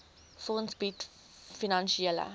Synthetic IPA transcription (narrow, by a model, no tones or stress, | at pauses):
fɔənsbit | finɐnʃielə̰